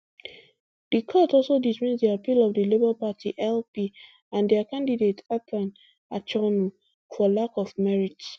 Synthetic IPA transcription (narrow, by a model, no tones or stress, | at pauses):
d̥ikʰɔtɔlsodismisdiapilɔvdilibəlpatʰḭʔɛlpi | ãndiakãndidetatʰãn | at͡ʃɔnu | fɔlakɔvmɛɹits